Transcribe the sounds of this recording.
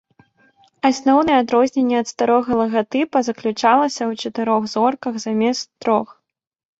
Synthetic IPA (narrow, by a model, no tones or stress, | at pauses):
asnɔwnɨjɛad̪ɾɔzʲnʲenʲːɛɐt̪st̪aɾɔɣɐlˠɐɣat̪ɨpɐzɐklʲut͡ʂalˠɐsʲɐwt͡ʂɐt̪ɨɾɔɣzɔrkɐɣzamʲɛst̪ːɾɔx